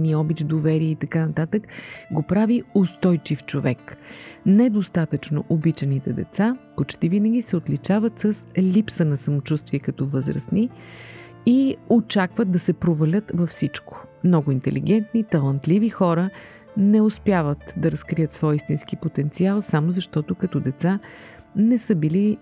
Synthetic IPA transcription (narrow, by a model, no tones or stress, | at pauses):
niɔbid̪ovɛɾiɛit̪ɐkanɐt̪at̪əkɡopɾaviost̪ɔjt͡ʃift͡ʃovɛknɛd̪ost̪at̪ət͡ʃno̰ʔobit͡ʃɛnit̪ɛd̪ɛ̰t̪sapot͡ʃt̪ivinəɡʲisɛot̪lit͡ʃavət̪səslʲipsənɐsɐmot͡ʃust̪viɛkɐt̪ɔvəzɾɐ̰sni | iot͡ʃakvət̪̚d̪ɐsɛpɾovɐlʲət̪vɐfsit͡ʃko̥mnɔɡʊint̪ɛ̰lḭɡɛnt̪nit̪ɐlˠant̪livixɔɾə | nɛʊspjavət̪d̪ɐɾɐskɾijət̪svɔjist̪insk̟ipot̪ɛnt̪sialˠsamozɐʃt̪ɔt̪ʊkɐt̪ɔd̪ɛt̪sa | nɛsəbili